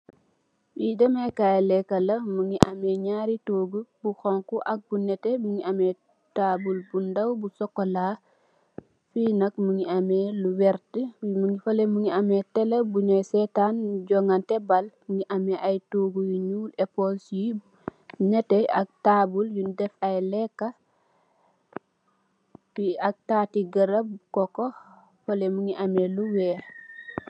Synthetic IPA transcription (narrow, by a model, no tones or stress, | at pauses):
bidɐmekajlɛkːɐlɐmuŋiʔa̰mɛɲaːɾitoːɡubuxɔŋkuʔɐk̚bunɛtɛmuŋiamɛ | tabulbundɐwbusɔkːolaː | finɐk̚muŋiameluwɛɾtəmuŋifɐlemuŋiɐmetɛlebunɛsɛtanɟɔŋantɛbalmuŋiʔameʔajtuɡujiɲuːlepolsi | ɲɛtɛa̰k̚tabuljundɛfajlɛkːa | piak̚tatiɡɐɾab̚ukɔko | folemuŋiʔameluwɛː